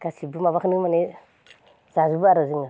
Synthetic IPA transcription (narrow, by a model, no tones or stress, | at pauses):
kasibumaβaknumane | zazubuaɾaziŋa